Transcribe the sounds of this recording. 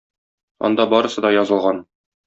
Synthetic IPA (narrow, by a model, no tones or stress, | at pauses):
ɒ̰nd̪ɑbɒɾɤ̆sɤd̪ɒjɒzɤ̆lˠʁɑn